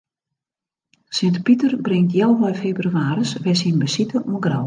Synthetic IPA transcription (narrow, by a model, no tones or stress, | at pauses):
sɪntpitərbrɪŋtjɛlˠʋɔjfeːbryaːɾəsʋɛsinbəsitəʔɔənɡra